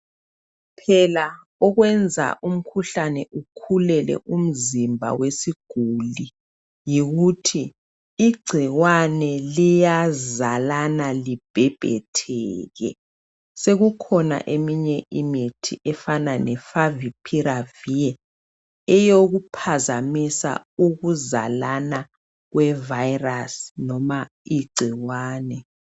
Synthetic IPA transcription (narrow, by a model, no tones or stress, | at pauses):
pʰɛla | ɔɣwɛnd͡zʱa̰ʔum̩kʰuɬanɛʔukʰulɛlɛ̰ʔum̩zimbʱa̰wesiɡ̥ʱuli | jiɣutʰiː | ɡ͡ǀʱiɣwanɛlijazalanalib̥ʱɛb̥ʱɛ̰tʰɛːɣɛ̰ | seɣukʰɔna̰ʔemiɲɛʔimitʰḭʔɛfananɛfavipʰiɾavijɛ | ɛjoɣupʰazamisa̰uɣuza̰lana | ɣwɛvajrasnɔma | iɡ͡ǀʱiɣwaːnɛ